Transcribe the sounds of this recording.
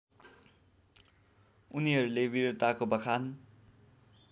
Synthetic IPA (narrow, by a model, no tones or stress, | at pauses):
uniɦʌɾulebiɾot̪akobʌkʰan